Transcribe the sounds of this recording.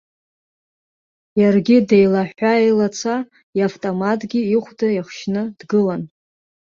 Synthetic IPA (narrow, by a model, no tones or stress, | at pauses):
jarɡʲide̞jlaħʷaejlat͡sʰa | iaftʼomatʰʼɡʲiiχʷdajaχʃnɨdɡɨlan